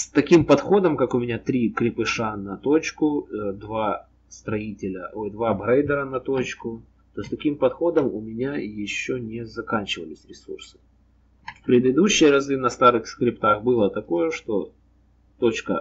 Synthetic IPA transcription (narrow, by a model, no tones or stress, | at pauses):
st̪ɐkʲimpɐt̪xo̞d̪əmkakʊmʲɪnʲat̪ɾʲikɾʲɪpɨʂanɐt̪ot͡ɕkʊd̪va | st̪ɾɐitʲɪlʲə̰ojd̪vabɾejd̪əɾənɐt̪o̞t͡ɕkʊ | t̪osʲt̪ɐkʲimpɐt̪xo̞d̪əmʊmʲɪnʲajɪɕːonʲɪzɐkanʲt͡ɕɪvə̰lʲɪsʲɾʲɪsursɨ̥ | fpɾʲɪd̪ɨd̪uɕːɪjəɾɐzɨnɐst̪aɾɨxskɾʲɪpt̪axbɨlˠət̪ɐko̞jəʂt̪o̞ | t̪o̞t͡ɕkə̰